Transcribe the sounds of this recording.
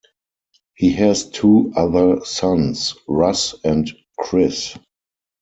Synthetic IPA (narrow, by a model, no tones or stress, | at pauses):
hiːɦɛztʰuːaðə˞sãnsɹasɛ̃nt | kʰɹɪs